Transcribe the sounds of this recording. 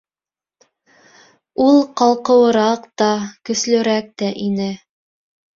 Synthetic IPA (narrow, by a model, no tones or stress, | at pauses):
ulˠqɑlˠqɤ̆wɤ̆ɾɑqt̪ɑkɵ̆slɵ̆ɾæk̚t̪æʔinɘ